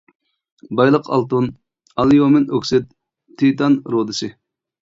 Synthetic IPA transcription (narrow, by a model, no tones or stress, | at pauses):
bɑjlˠəqɑ̰lˠt̪un | ɑlˠijomɪnøkʲsɪt̪ʰː | it̪ɑnɾod̪ɨsɪ